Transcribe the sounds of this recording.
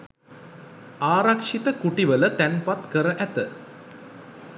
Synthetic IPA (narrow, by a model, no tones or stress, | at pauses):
aːɾakʂit̪əkuʈiʋələt̪ænpat̪kəɾəʔæt̪ə